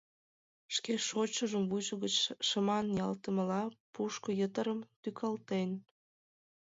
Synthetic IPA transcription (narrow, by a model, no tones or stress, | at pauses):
ʃkeʃot͡ɕəʒəmvuʒəɣət͡ɕʃəmɑnjɑlt̪əməlɑpuʃkojət̪əɾəmt̪ykʰɑlt̪en